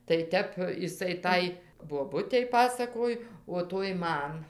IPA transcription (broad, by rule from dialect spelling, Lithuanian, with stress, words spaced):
tɐɪ ˈtʲɛp ɪˈsɐɪ ˈtɐɪ boːˈbʊtʲɛɪ ˈpɑːsɐkoːj oː ˈtoːj ˈmɐn